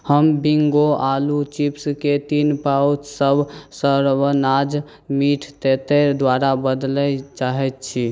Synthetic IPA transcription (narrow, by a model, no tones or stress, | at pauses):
həmbiŋɡoʔalut͡ʃipsket̪inpawtsəbsəɾbənad͡ʒ | miʈʰt̪et̪ɛd̪waɾabəd̪lɛt͡ʃaɦɛt̪̚t͡ʃʰi